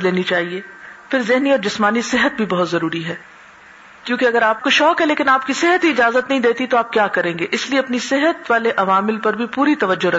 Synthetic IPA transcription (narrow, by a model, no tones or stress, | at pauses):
leːnit͡ʃaːɦieːfɪɾzɪɦniɔːɾd͡ʒɪsmaːnisɪɦət̪̚bʱibɐɦʊt̪zɐɾuːɾiɦɛː | kjõːkeɐɡəɾaːp̚koʃɔːkɦɛleːkɪnaːpkisɪɦət̪iɪd͡ʒaːzət̪nɐɦĩd̪eːt̪it̪oaːp̚kjaːkɐɾẽːŋɡeʔɪslieɐpnisɪɦət̪ʋaːleʔɐʋaːmɪlpɐɾbʱipuːɾit̪ɐʋəd͡ʒːoɾɐ